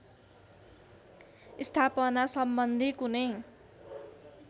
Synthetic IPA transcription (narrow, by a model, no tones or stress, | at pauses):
ist̪ʰapʌnasʌmbʌnd̪ʱikunej